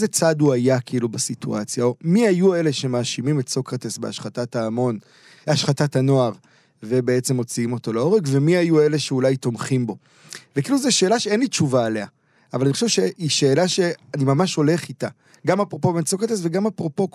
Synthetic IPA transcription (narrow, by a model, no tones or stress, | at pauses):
zet͡saduajakiilubasitṵʔat͡sjaomiajue̞le̞ʃe̞maːʃimimetso̞kt̪esbea̰ʃχatataːmo̞n | aʃχatatano̞aʁ | ve̞be̞et͡se̞mo̞t͡siimo̞to̞leo̞ʁekve̞miajue̞leʃeulajt̪o̞mχimbo̞ | vekiiluzeʃeːlaʃeenlit͡ʃuvaːlea | avalaniχoʃevʃeiʃe̞ːlaʃeanimamaʃo̞le̞χita | ɡamapʁo̞po̞beett͡sokt̪esve̞ɡamapʁo̞po̞k